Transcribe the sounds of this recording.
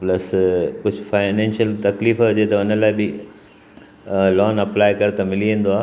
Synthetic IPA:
plɐskʊd͡ʑʱʊfaːɪnɛ̃ːnʃjəlt̪ɐkliːfɦʊd͡ʑet̪ɐʊnəlaːɪbɪ | lɔːnɐplaːɪkɐɾt̪ɐmɪliẽːn̆d̪oaː

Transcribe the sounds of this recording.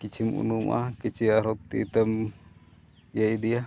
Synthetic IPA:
kit͡ʃimṵnumʔa̰kit͡ʃiaɾok̚t̪ḭt̪əm | jaid̪ia

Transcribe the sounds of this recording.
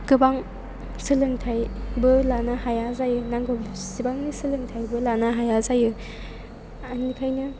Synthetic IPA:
ɡɯbaŋ | sɯlɯŋtʰajbɯlanahajazajɯnaŋɡɔbsibaŋnisɯlɯŋtʰajbɯlanaɦajazajɯ | anikʰajnɯ

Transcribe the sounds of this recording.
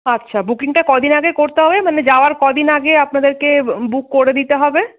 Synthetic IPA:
ətːʃʰabukiŋʈakɔd̪ʱinaɡekoɾt̪eɦɔbemaned͡ʑaoaɾkɔd̪ʱinaɡeapnad̪eɾkebukːoɾed̪it̪eɦɔbe

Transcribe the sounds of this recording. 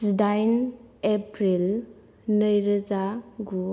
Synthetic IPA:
sudajnepɾil | nəjɾəzaɡu

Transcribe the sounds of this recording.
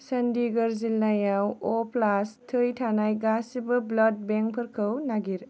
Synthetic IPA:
sɐndiɡɐɾzilːajawɔplastʰɯjtʰanajɡasibɐblɐd̚beŋpʰɐɾkʰɐwnaɡiɾ

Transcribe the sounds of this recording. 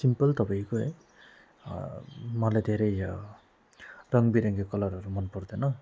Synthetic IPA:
simpʌlt̪ʌpaikoɦ | mʌlajd̪ʱeɾʌj | rʌŋbiɾʌŋɡekʌlʌɾɦʌɾumʌnpʌrd̪enʌ

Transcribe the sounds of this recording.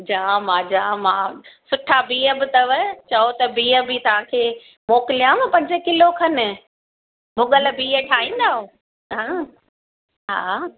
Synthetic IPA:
d͡ʑaːmãːd͡ʑãːmãːsʊʈʰabiːɦəbɪt̪ɐʋət͡ɕɐot̪ɐbiːə̆bit̪ɐʋ̤ãkʰeː | moːkɪlijãːmɐ̃pɐ̃ɲd͡ʑə̆kɪlokʰɐnɪ̆ | mʊɡəl̆biːɦəʈʰaːĩːn̆d̪aːɦõː | ɦãː | ɦa̰ː

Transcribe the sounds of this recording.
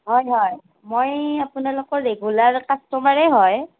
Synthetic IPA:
ɦɔjɦɔj | mojapʊnalokɔɹːeɡulaɹkastɔmaɹɛɦɔj

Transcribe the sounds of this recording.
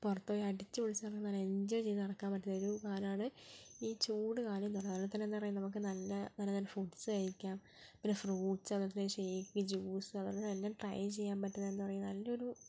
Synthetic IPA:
purɐt̪ːoːɾɐɽit͡ɕːɨʋiɭit͡ɕːpɐrɐjumnɐlːɐeɲd͡ʑoːjt͡ɕejnɨnɐɽɐkːaːmpɐʈːɐoɾukaːlɐmaːɳɨiːt͡ɕuːɽɨkaːlɐmenːupɐrɐɐt̪ɐnːenːɨpɐrɐjːumnɐmuk̬ːɨnɐlːɐnɐlːɐt̪ɐnːefuʈsɨɐjikʲːaːm | pinːefruːʈsɨɐnːɐt̪ːɐnːeʂejkʲːiŋʲid͡ʑuːsɨɐðɐnɐlːɐʈrɐ̰jt͡ɕe̞jːaːmpɐʈːɐðɐenːɨpɐrɐjumnɐlːɐo̞ɾu

